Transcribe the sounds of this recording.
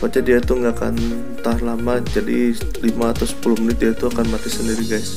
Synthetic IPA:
bat͡ʃadiait̪uŋɡaka̰n | t̪alamad͡ʒadi | limaːt̪awsə̥pulʊhmənɪt̪̚diait̪uakanmat̪isəndiɾiɡajs

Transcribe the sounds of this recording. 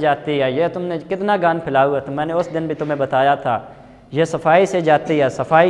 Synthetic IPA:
d͡ʒaːt̪iɦɛːjeːt̪ʊmnekɪt̪naɡaːnpʰɪlaːuɦɛt̪mɛ̃ːneʊsd̪ɪnbʱit̪ʊmẽbɐt̪aːjat̪ʰa̰ː | jeːsɐfaːised͡ʒaːt̪iɦɛːsɐfaːi

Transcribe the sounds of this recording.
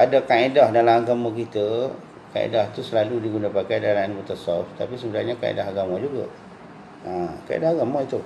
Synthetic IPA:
adakaedahdalamaɡamakit̪ə | ka̰ḛdaht̪usəlaludiɡunapakajdalainmɔt̪əsɔft̪apisəbənarɲaka̰ḛdaɦaɡamad͡ʒuɡa | ãkaʔḛdahaɡamait̪u

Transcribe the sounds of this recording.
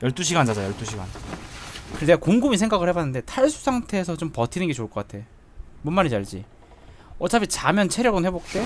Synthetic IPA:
jʌɭt͈uɕ̬ʰiɡant͡ɕad͡ʑajʌɭt͈uɕʰiɡan | kɯɾedekoŋɡumisʰeŋɡaɡɯɭhe̞banːɯnde̞tʰaɭs͈ʰu̥sʰaŋtʰe̞ːsʰʌt͡ɕompʌtʰinɯnɡe̞t͡ɕoɭk͈ʌk͈atʰe̞jo | munmaɲit͡ɕaɭd͡ʑḭ | ʌt͡ɕʰapʰit͡ɕamjʌnt͡ɕʰe̞ɾjʌɡɯnhe̞bok̚t͈e̞

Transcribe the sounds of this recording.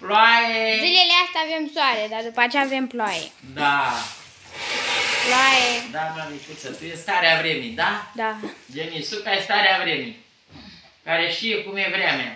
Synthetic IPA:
ploajezile̞least̪aːve̞msoaɾe̞d̪ad̪upəat͡ʃeaːve̞mploajḛ | d̪a | ploajed̪amalipusət̪ujest̪aɾeavɾemid̪ad̪ad͡ʒenisup̪ast̪aɾeavɾemi | kaɾeʃiekumjevɾamea

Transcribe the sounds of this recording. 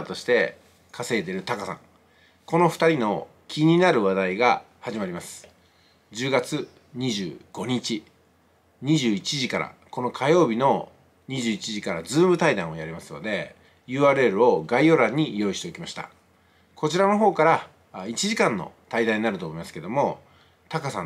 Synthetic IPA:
t̪o̞ɕi̥t̪e̞ | kʰase̞ːt̪e̞ɾɯ̟t̪akasã̰ŋ | ko̞no̞ɸɯ̟̥t̪aɾʲino̞ | kʲʰiɲ̟inaɾɯ̟βad̪aiɡa | haʑimaɾʲimasɨ̥ | d͡ʑɨːɡat͡sɨ | ɲ̟iʑɨ̰ːɡ̥o̞ɲ̟it͡ɕi | ɲ̟iʑɨːit͡ɕiʑikaɾa̰ko̞no̞kʰajo̞ːbʲino̞ | ɲ̟iʑɨːit͡ɕiʑikaɾazɨːmɯ̟t̪aid̪ã̰ɰ̃o̞jaɾʲimasɨ̥nod̪e̞ | jɯ̟ːaːɾɯ̟e̞ɾɯ̟o̞ɡaio̞ɾãɲ̟ːijo̞ːiɕt̪e̞okʲimaɕi̥t̪a̰ | kʰo̞t͡ɕiɾano̞ɦo̞ːkaɾa | it͡ɕiʑikãnːo̞̰t̪aid̪ãɲ̟inaɾɯ̟t̪omo̞imasɨ̥ke̞d̪o̞mo̞ | t̪akasã̰

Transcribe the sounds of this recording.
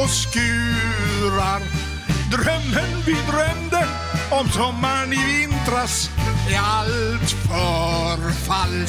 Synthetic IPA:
ɔskʉ | ɾaɾ | d̪ɾɛmənvid̪ɾɛnd̪ə | ɔmsɔmːanivɪnt̪ɾas | ɛalt̪fɔɾfal

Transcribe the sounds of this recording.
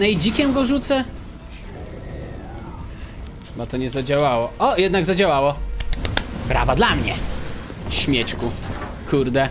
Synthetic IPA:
nɛid͡ʑikʲɛmɡɔʐut̪sɛ | bat̪ɔɲɛzad͡ʑawawɔɔjɛd̪naɡzad͡ʑawawɔ | bɾa̰vad̪lamɲɛ | ɕmʲjɛt͡ɕku | kuɾd̪ɛ

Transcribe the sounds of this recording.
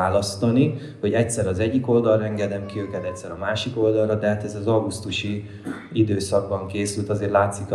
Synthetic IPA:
aːlɒst̪ɒni | ho̞ɟɛct̪ʲsɛɾɒzɛɟːiko̞ld̪ɒlrɒɛŋɡɛd̪ɛmkiøːkɛt̪ɛc̚t̪sɛɾɒmaːʃiko̞ld̪ɒlrɒd̪ɛɦat̪ɛzɒzɒɡust̪uʃi | id̪øːsɒɡ̚bɒŋkeːsylt̪ɒzeːrlaːt̪sik

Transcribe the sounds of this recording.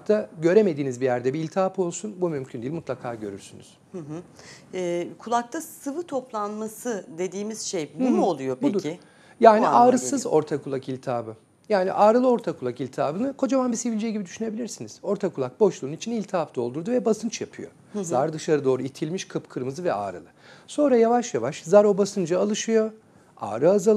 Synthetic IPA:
k̚t̪ʰaɟø̞ɾeme̞d̪iːnizbijæɾd̪ɛbiiːlʲt̪ʰapo̞lˠsunbumymcʰynd̪ilʲmut̪lˠakʰaːɟø̞ɾy̰ɾsyny̰z̥hɯɦ | ɛːkʰulˠak̚t̪ʰasɯvɯt̪ʰo̞plˠanmasɯd̪e̞d̪iːmiz̥ʃejbumuolˠujobud̪uɾɪ | jaːniʔaːɾɯsɯzo̞̰ɾt̪ʰakʰulˠakilʲt̪ʰaːbɯ | jaːnḭʔaːɾɯlˠɯo̞ɾt̪ʰakʰulˠakilʲt̪ʰaːbɯnɯkʰo̞d͡ʒamanbisevilʲd͡ʒɛjɟibid̪yʃyne̞bilʲiɾsiniz̥o̞ɾt̪ʰakʰulˠak̚bo̞ʃlˠuːnit͡ʃʰinilʲt̪ʰaafd̪o̞lˠd̪uɾd̪uvɛbasɯnt͡ʃjapʰɯ̰jo̞̰ | zaɾd̪ɯʃaɾɯd̪o̞ːɾuit̪ʰilʲmiʃkʰɯpkʰɯɾmɯzɯvɛa̰ːɾɯ̰lˠɯso̞nɾajavaʃjavaʃzaɾo̞basɯnd͡ʒaalˠɯʃɯjo̞ | a̰ːɾɯazalˠ

